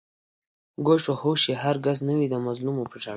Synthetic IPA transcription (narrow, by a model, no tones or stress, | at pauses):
ɡoʂohoʃeɦaɾɡaznəwid̪əmazlumopəʒaɽ